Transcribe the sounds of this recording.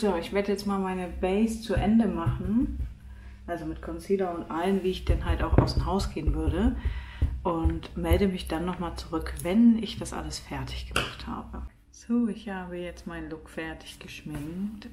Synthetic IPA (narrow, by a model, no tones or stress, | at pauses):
z̥oːɪçv̥eːɐdəjɛt͡stmaːlmaɪnəbɛɪst͡suʔɛndəmaχn̩ | ʔalzomɪtkʰɔnt͡siːlɐʊntʔalənviːɪçd̥ɛnɦaltaʊxʔa̰ʊsmɦaʊsɡ̥eːənvʏɐɾə | ʔʊntmɛldəmɪçd̥anːɔχmaːlt͡suʁʏkvɛnɪçd̥asʔa̰ləsfɛɐtʰɪ̥çɡ̥əmaχtha̰ːbə | z̥oːɪçhaːbəjɛt͡stmaɪnlʊkfɛɐtʰɪ̥çɡ̥əʃmɪŋt